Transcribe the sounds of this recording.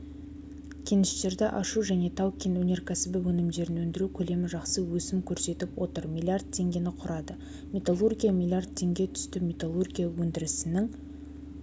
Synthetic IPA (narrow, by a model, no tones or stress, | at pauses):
kʲʰenɪst̪e̞ɾd̪ɪʔɑʃuʒæne̞t̪ʰɑwkʲinwɵneɾkʲʰæsɪbɪwɵnɪmd̪e̞ɾɪnwɵnd̪ɪɾukʲʰɵle̞mɪʒɑqsəwɵsɪmkʲʰɵɾse̞t̪ɪpwo̞t̪əɾmʲilʲˠiard̪̚t̪ʰːe̞ŋɡʲe̞nɪqʰʊɾɑd̪ə | me̞t̪alˠurɡʲijamʲilʲˠiard̪̚t̪ʰːe̞ŋɡʲe̞t̪ʰʏ̥st̪ɪmʲet̪alˠurɡʲijawɵnd̪ɪɾɪsɪnɪŋ